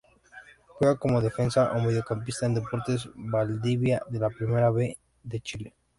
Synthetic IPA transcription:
fweako̞mo̞ðe̞fe̞nsaʔomeðjokampist̪aend̪e̞po̞ɾt̪e̞zβald̪iβjaðe̞lapɾime̞ɾaβe̞ | ðe̞t͡ʃile̞

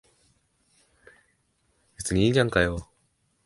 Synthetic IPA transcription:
es͈ɯnid͡ʑaŋkajo

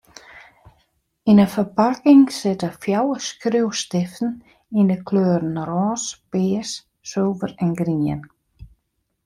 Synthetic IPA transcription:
inəfəpʰakɪŋsɪt̪əfjawəskɾɪwst̪ɪft̪n̩ | inəkʰløːɾn̩rɔːsb̥eːsː | œwvəɾɛnɡɾiːə̰n

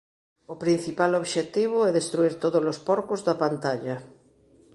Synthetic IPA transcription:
opɾin̟θipaloβʃet̪iβ̞ʊɛðest̪ɾuiɾt̪oðozlospɔɾkozðɐpant̪aʎɐ

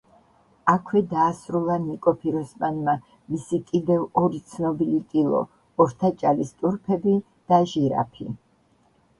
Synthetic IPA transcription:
akʰwɛd̪aːsɾulˠanikʼɔpʰiɾɔsmanma | misikʼid̪ɛvɔɾit̪sʰnɔbilit̪ʼilˠɔ̰ | ɔɾt̪ʰat͡ʃʼalist̪ʼuɾpʰɛbi | d̪̥aʒiɾa̰pʰḭ

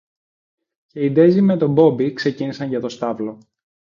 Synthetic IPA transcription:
ce̞id̪e̞zime̞t̪o̞bo̞bikse̞cinisɐɲʝɐt̪o̞st̪ɐvlo̞

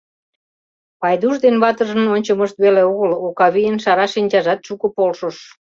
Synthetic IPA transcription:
pɑjd̪uʒd̪enβɑt̪əʒə̆nonʲt͡ɕəməʃt̪βeleoɣəlokɑβijənʃɑɾɑʃinʲt͡ɕɑʒɑt̪ʃukəpolʃoʃ

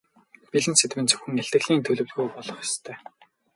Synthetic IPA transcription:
piɮɘ̆nset̪mɘ̆nt͡sɵ̥wxɵ̆ŋæɬʲt̪ɘ̆ɣɮiːnt̪ʰɵɮɵ̆wɮɣujpɔɮɞ̆χjɔ̥st̪ʰœː

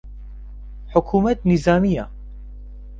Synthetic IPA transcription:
ħʊkʰuːmɐt̪̚nizaːmija

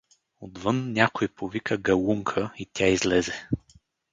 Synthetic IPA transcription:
od̪vɤnnʲakojpovikəɡɐlˠuŋkʰəit̪ʲaizlɛzɛ

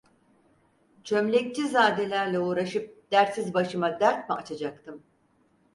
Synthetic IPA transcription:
t͡ʃʰø̞mlʲɛc̚t͡ʃizaːd̪e̞lʲæɾlʲɛuːɾaʃɯp̚d̪̥æɾt̪sizbaʃɯmad̪æɾt̪̚mɛat͡ʃʰad͡ʒak̚t̪ʰɯm

